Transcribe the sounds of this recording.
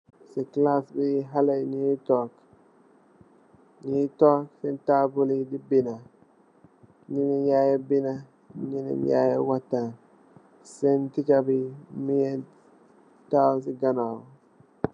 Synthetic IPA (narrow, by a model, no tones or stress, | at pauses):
siklasbiɦalenitɔk | nitɔksɛntabulidibina | nininjajebina | ninḭnja̰jewatːa | sɛntikabimije | tas̬iɡana